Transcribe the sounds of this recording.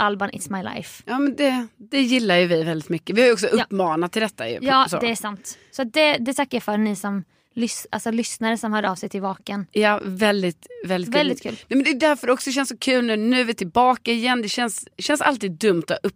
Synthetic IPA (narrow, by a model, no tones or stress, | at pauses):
ʔalbənʔɪ̰t̪smajla̰jfjɑːmɛnd̪ɛd̪ɛjɪlːaɾjɵvɪvɛld̪ɪt̪mʏkːəvɪhajɔksɔʔɵpːmɑːnat̪ʰːɪld̪ɛt̪ːa̰j̰jɑːso̰ːdɛæsant̪ | sɔat̪̚d̪ɛd̪ɛt̪ʰakːajafœɾnɪsɔm | lʏsʔa̰lsɔlʏsnaɾəsɔmhœːɖəɑːvsɛjt̪ʰɪlvɑːkənjɑːvɛld̪ɪt̪vɛlɪvɛld̪ɪt̪kʉ̟ːlnɛmɛnd̪ɛd̪æɾfœɾɖɔksɔɕ̬ɛnsɔkʰʉ̟ːlnʉnʉ̟ːvɪt̪ʰɪlbɑːkaɪjɛnːd̪ɛɕɛnsɕɛnsa̰lt̪iːd̪̚ːɵmːt̪ʰɔɵpː